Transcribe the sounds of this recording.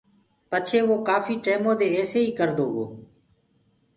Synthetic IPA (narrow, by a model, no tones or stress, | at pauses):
pət͡ʃʰeːʋoːkaːfiːʈeːmõːd̪eːɛːseːiːkəɾd̪oːɡo̰ː